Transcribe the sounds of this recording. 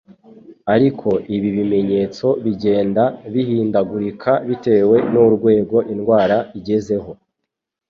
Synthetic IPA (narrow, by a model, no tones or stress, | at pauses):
aɾikʰo̞ʔiβiβime̞ɲe̞ːt͡so̞βiɟe̞ːndaβihiːndaɡuɾikʰaβite̞ːwe̞nuɾɡwe̞ːɡo̞ʔinɡwaːɾaiɟe̞ze̞ɦo̞